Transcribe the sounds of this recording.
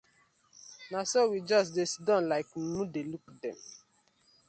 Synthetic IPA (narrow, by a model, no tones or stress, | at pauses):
nasowid͡ʒɔsdesdɔ̃nlaɪknudelukdɛ̃m